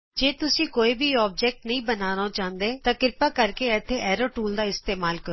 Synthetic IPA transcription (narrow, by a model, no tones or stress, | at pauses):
d͡ʒeːt̪ʊsĩːkoːiːbʱiːɔːb̚d͡ʒɛːk̚ʈnəĩːbənaːnoːt͡ʃãːnd̪eːt̪ãːkɪɾpaːkəɾkeːɛt̪ʰːeːʔɛːɾoːʈuːld̪aːɪst̪eːmaːlkəɾ